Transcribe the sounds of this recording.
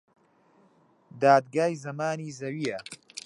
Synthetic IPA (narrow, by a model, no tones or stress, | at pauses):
d̪aːd̪ɡaːjzɐmaːniːzɐwiːjɐ